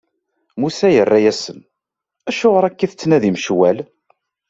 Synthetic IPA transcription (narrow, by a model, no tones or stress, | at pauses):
musæjərːæjæsən | æʃʊʁəɾˤækːiθət͡sːnæðimʃwæl